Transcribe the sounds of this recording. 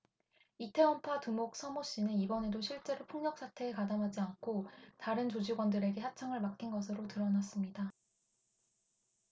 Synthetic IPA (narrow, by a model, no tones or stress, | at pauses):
itʰe̞wʌmpʰatumok̚s͈ʰʌmoɕ͈inɯnibʌne̞doɕʰiɭt͡ɕ͈e̞ɾopʰuŋɲʌk̚s͈ʰatʰe̞ːkadamɦad͡ʑiankʰotaɾɯnt͡ɕod͡ʑiɡwʌndɯɾe̞ɡe̞sat͡ɕʰaŋɯɭmak͈inɡʌs̬ʰɯɾotɯɾʌnas͈ɯmɲida